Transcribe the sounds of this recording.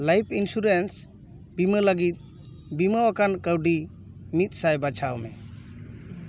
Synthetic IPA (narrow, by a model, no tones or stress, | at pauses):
lajpʰinsuɾens | bimələɡit̪̚ˀ | biməwakankəwɖi | mit̪̚ˀsajbat͡ʃʰawmɛ